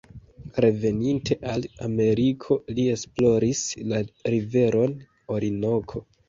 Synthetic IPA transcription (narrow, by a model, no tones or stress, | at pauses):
ɾe̞ve̞nintʰe̞ʔala̰me̞ɾikʰo̞lie̞splo̞ɾislaɾive̞ɾʔo̞n | o̞ɾino̞kʰo̞